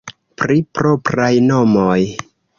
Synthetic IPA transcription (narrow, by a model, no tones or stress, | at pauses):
pɾipɾopɾajnomoj